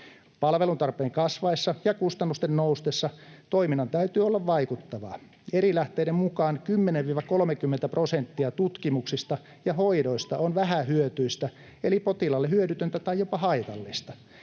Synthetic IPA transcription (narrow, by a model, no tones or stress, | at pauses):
pɑlʋelunt̪ɑrpeːŋkɑsʋɑisːɑjɑkust̪ɑnːust̪ennoust̪esːɑt̪oiminːɑnt̪æyt̪yːolːɑʋʋɑikut̪ːɑʋɑ̰ | eɾilæht̪eiɾemmukɑːnkymːeneʋʋiːʋɑkolmekymːent̪æprosent̪ːiɑt̪ut̪kimuksist̪ɑ | jɑhoidoist̪ɑ̰onʋæhæhyøt̪yist̪æ | elipot̪ilɑlːehyøɾyt̪ønt̪æt̪ɑijjopɑhɑit̪ɑlːist̪ɑ